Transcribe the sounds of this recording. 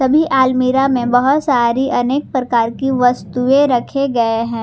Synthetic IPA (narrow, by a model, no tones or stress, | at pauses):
sɐbʱiʔaːlmiɾamẽbɐɦʊt̪saːɾiʔɐneːk̚pɾɐkaːɾkiʋɐst̪uẽɾɐkʰeɡɐeɦɛ̃ː